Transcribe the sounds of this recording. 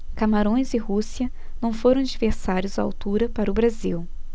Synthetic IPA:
kamaɾõj̃zɪhusiɐ | nɐ̃w̃foɾɐ̃w̃ad͡ʒiveɾsaɾjʊzaa̰wt̪uɾɐpaɾʊbɾaziw

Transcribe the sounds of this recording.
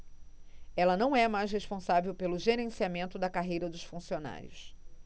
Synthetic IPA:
ɛlɐnɐ̃w̃ɛmajsheʃpõsavewpelʊʒeɾẽsiamẽnt̪ʊd̪ɐkaɦejɾɐd̪ʊʃfũsiona̰ɾjʊ̰s

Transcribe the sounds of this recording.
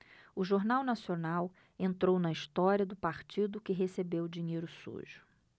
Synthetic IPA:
ʊʒoɾnawnasionaw | ẽnt̪ɾownɐist̪ɔɾiɐd̪ʊpaɾt͡ʃid̪ʊkɪɦesebewd͡ʒĩɲejɾʊsṵʒʊ̥

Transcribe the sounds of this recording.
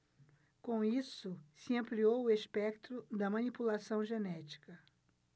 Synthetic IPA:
kõw̃isʊsɪɐ̃mpliowʊespɛkt̪ɾʊd̪ɐmɐ̃nipulasɐ̃w̃ʒenɛt͡ʃi̥kɐ

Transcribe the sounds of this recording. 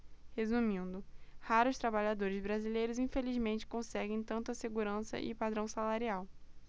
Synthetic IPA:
hezumĩnd̪ʊhaɾʊʃt̪ɾabaʎad̪oɾɪzbɾazilejɾʊzĩfelizmẽnt͡ʃɪ̥kõsɛɡẽj̃t̪ɐ̃nt̪ɐseɡuɾɐ̃sɐ̰ʔɪ̰pad̪ɾɐ̃w̃salaɾiaw

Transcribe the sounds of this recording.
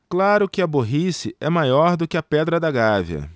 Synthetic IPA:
klaɾʊkɪɐboɦisɪɛmajɔɾd̪ʊkɪɐpɛd̪ɾɐd̪ɐɡaviɐ̰

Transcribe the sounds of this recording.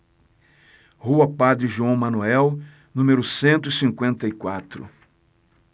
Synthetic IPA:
huɐpad̪ɾɪʒuɐ̃w̃mɐ̃nuɛw | nũmeɾʊsẽnt̪ʊisĩŋkwẽnt̪ɐikwat̪ɾʊ̰

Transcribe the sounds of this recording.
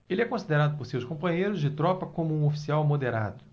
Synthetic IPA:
elɪɛkõsid̪eɾad̪ʊpoɾsewskõmpɐ̃ɲejɾʊzd͡ʒɪt̪ɾɔpɐkõmʊũofi̥siawmod̪eɾa̰d̪ʊ

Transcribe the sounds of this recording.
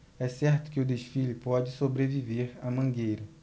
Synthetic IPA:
ɛsɛɾt̪ʊ̥kɪʊd̪eʃfilɪpɔd͡ʒɪsobɾeviveɾɐmɐ̃ɡejɾɐ

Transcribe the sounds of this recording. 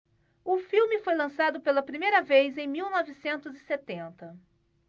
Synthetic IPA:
ʊfiwmɪfojlɐ̃sad̪ʊpelɐpɾimejɾɐvejzẽj̃miwnɔvɪsẽnt̪ʊzɪset̪ẽnt̪ɐ

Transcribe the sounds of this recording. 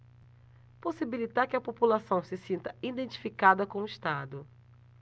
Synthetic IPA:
posibilit̪aɾkɪɐpopulasɐ̃w̃sɪsĩnt̪ɐĩd̪ẽnt͡ʃi̥fikad̪ɐkõw̃ʊiʃt̪ad̪ʊ

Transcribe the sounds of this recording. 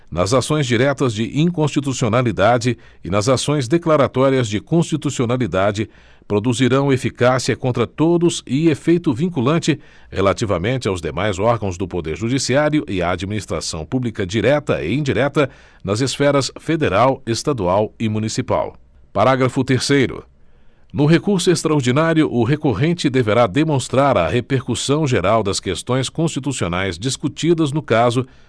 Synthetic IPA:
nɐzasõj̃zd͡ʒiɾɛt̪ɐzd͡ʒɪʔĩŋkõst͡ʃit̪usionalid̪ad͡ʒɪ | ɪnɐzasõj̃zd̪eklaɾat̪ɔɾiɐzd͡ʒɪkõst͡ʃit̪usionalid̪ad͡ʒɪ | pɾod̪uziɾɐ̃w̃efikasiɐkõnt̪ɾɐt̪od̪ʊzɪefejt̪ʊvĩkulɐ̃nt͡ʃɪ | helat͡ʃivɐmẽnt͡ʃɪawzd̪emajzɔɾɡɐ̃w̃zd̪ʊpod̪eɾʒud͡ʒisiaɾjʊʔɪaːd͡ʒiminist̪ɾa̰sɐ̰̃w̃publikɐd͡ʒiɾɛt̪ɐ̰ɪ̰ĩd͡ʒiɾɛt̪ɐ | nɐzesfɛɾɐsfed̪eɾawest̪ad̪uawɪmũnisipa̰w | paɾaɡɾɐfʊt̪eɾsejɾʊ̰ | nʊɦekuɾsʊest̪ɾɐoɾd͡ʒinaɾjʊʔʊɦekoɦẽnt͡ʃɪd̪eveɾad̪emõst̪ɾaɾɐ̰hepeɾkusɐ̃w̃ʒeɾawd̪ɐskest̪õj̃skõst͡ʃit̪usionajzd͡ʒiskut͡ʃid̪ɐznʊkazʊ

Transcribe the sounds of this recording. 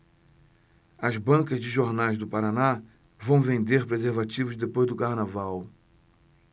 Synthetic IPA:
ɐzbɐ̃ŋkɐzd͡ʒɪʒoɾnajzd̪ʊpaɾana | vɐ̃w̃vẽnd̪eɾpɾezeɾvat͡ʃivʊzd̪epojzd̪ʊkaɾnavaw

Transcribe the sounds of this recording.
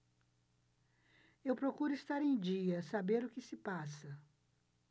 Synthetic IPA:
ewpɾokuɾʊist̪aɾẽj̃d͡ʒiɐsabeɾʊkɪsɪpasɐ

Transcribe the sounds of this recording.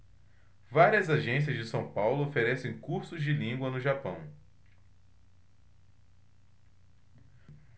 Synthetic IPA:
vaɾiɐzaʒẽs̬iɐzd͡ʒɪsɐ̃w̃pawlʊofeɾɛsẽj̃kuɾsʊzd͡ʒɪlĩɡwɐnʊʒapɐ̰̃w̃

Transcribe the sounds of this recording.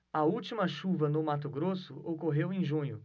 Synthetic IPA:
ɐuwt͡ʃimɐʃuvɐnʊmat̪̬ʊɡɾosʊʔokoɦewẽj̃ʒũɲʊ

